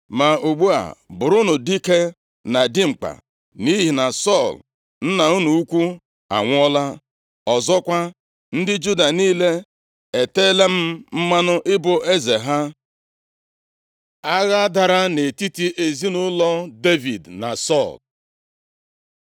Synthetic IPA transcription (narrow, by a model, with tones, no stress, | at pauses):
ma˨o˨ɡ͡bu˦a̰˨bʊ˨ɾʊ˦nʊ˨di˦ke˦ | na˨di˦ŋ͡m̩˨k͡pa̰˨ | ni˦ɦi˨na˨sɔ˦˨l | n̩˦na˨u˦nu˨u˦kʷu˦ | a̰˨ŋʷ˦ɔ˦la˦ | ɔ˨zɔ˦kʷa˦ | n̩˦dɪ˦d͡ʒu˦da˨niː˦le˦ | e˨te˦le˦m̩˦m̩˦ma˦nʊ˦ʔɪ˦bʊ˨ʔe˦ze˨ɦa˦ | a˦ɣa˦da˨ɾa˦ne˨ti˦ti˦ʔe˨zi˦nʊ˦lɔ˦de˦vi˨dna˨sɔ˦˨l